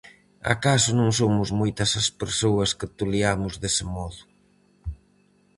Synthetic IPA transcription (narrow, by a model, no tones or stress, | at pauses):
a̰kasʊnõŋsomʊzmojt̪ɐsɐspeɾsoɐskɪt̪uliamʊzðesɪmɔðʊ